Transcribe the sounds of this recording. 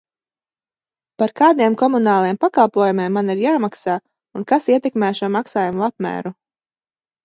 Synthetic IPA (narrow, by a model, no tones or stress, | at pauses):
paɾkaːd̪iɛmkɔmunaːlˠajɛmpakalˠpuɔjumeɛmːaniɾjaːmaksaː | unkasiɛt̪ɛkmæːʃuɔmaksaːjumuap̚mæ̰ːɾu